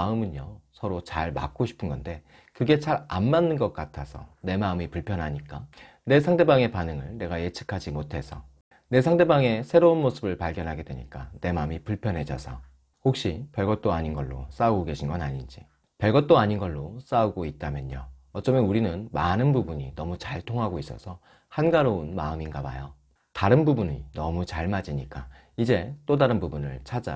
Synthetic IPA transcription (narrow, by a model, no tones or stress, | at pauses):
aɯmɯnosʰʌɾot͡ɕaɭma̰k̚k͈oɕʰi̥pʰɯnɡʌnde̞ | kɯɡe̞t͡ɕaɾa̰nmanːɯnɡʌk̚k͈atʰasʰʌ̰ne̞maɯmipuɭpʰjʌnɦaɲik͈a | ne̞sʰaŋde̞baŋe̞panɯŋɯɭne̞ɡaje̞t͡ɕʰɯ̥kʰad͡ʑimotʰe̞sʰʌ̰ | ne̞s̬ʰaŋde̞baŋe̞sʰeɾounmosʰɯbɯɭpaɭɡjʌnɦaɡe̞dwḛɲḭk͈ane̞maɯmipuɭpʰjʌnɦe̞d͡ʑʌ̰sʰʌ̰ | hok̚ɕ͈ipjʌɭɡʌt̚t͈oaɲinɡʌɭːo̰s͈auɡoɡe̞ɕʰinɡʌnaɲind͡ʑi | pjʌɭɡʌt̚t͈oaɲinɡʌɭːos͈auɡoit̚t͈amjʌnoʌt͡ɕ͈ʌmjʌnuɾinɯnmanɯnbubuɲinʌmut͡ɕaɭtʰoŋɦaɡois͈ʌ̰sʰʌ | hanɡaɾounmaɯminɡabajo | taɾɯnbubuɲḭnʌmut͡ɕaɭmad͡ʑiɲik͈a | id͡ʑe̞t͈odaɾɯnbubunɯ̰ɭt͡ɕʰad͡ʑa̰